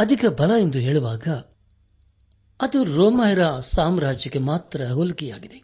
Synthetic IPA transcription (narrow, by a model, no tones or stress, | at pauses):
ɐd̪ʱikɐbɐlɐend̪uɦe̞ːɭuʋaːɡɐ | ɐd̪uɾoːmɐjɐɾɐsaːmɾaːd͡ʒɐke̞maːt̪ɾɐɦolukija̰ːɡid̪e̞